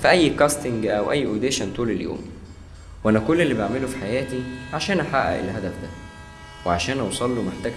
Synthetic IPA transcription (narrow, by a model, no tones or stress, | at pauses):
fiʔæjːkæst̪ɪŋɡʔæwʔæ̰jːʔod̪eʃænt̪uːleljo̰ːm | wʔænækolːelːibeʕmelufi̥ħajæːt̪iʕaʃæːnʔæħaʔæ̰ʔḛlɦæd̪æfd̪æ | weʕaʃæːnʔɑwsˤɑlːumoħt̪æɡ